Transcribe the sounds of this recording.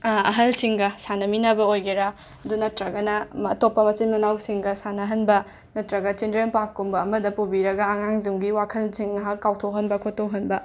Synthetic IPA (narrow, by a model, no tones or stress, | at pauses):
ɐɦɐlsiŋɡɐsanɐminɐbɐojɡeɾa | ɐdunɐtɾɐɡɐnɐmɐ̰topːɐmɐt͡ʃinmɐnawsiŋɡɐsanɐɦɐnbɐ | nɐtɾɐɡɐt͡ʃindɾempakːumbɐːmɐdɐpubiɾɐɡɐːŋaŋzuŋɡiwakʰɐlsiŋnɐɦɐkːawtʰowɦɐnbɐkʰotːowɦɐnbɐ